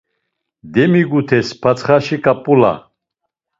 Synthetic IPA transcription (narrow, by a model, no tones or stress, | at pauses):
d̪ɛmiɡut̪ʰɛspʰat͡sχaʃikʼapʼula̰